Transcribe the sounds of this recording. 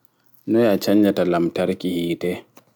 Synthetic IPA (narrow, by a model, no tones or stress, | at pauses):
nɔjat͡ʃaɲd͡ʒatalamtaɾkihiːtɛ